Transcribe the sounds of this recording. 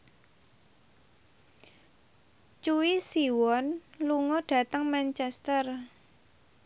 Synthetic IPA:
t͡ʃuwisiwɔnluŋɔɖ̥ä̤t̪əŋmɛnt͡ʃɛst̪ər

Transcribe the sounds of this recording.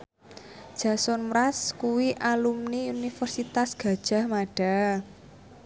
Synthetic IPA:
d̥ʒ̥a̤sʊnmɾaskuwiʔalumniunifərsit̪asɡ̥ä̤d̥ʒ̥a̤hmaɖ̥a̤

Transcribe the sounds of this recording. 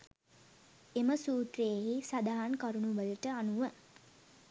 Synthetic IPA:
eməsuːt̪rejeɦisad̪aɦankaɾunuʋələʈəanuʋə

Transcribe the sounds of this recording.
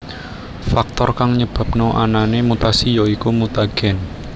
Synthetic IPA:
fak̚t̪ɔrkaŋɲəb̥a̤p̚noʔa̰nanemut̪asijoikumut̪aɡ̥ɛ̤n

